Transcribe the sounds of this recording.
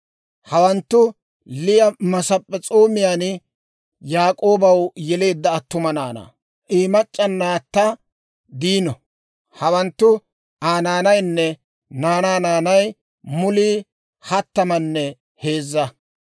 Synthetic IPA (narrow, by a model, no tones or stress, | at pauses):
hɐwɐnt̪ːʊ | lɪjɐmɐsɐpʼːɛt͡sʼo̞ːmɪjaːn | jaːkʼo̞ːbɐwjɛle̞ːd̪ːɐːt̪ːʊmɐnaːnɐ̰ | ʔiːmɐt͡ʃʼːɐnːaːt̪ːɐ | d̪iːnɔ | hɐwɐnt̪ːʊ | aːnaːnɐjnːɛ | naːnaːnaːnɐj | mʊliː | hɐt̪ːɐmɐnːɛ | he̞ːzːɐ